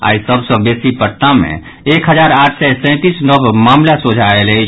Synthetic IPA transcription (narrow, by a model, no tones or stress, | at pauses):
a̰isəbsə̃besipəɾt̪amḛ̃ | ekɦəd͡ʒaɾaʈʰsɛsɛ̃t̪isnəbmamlasod͡ʒʱaelɛ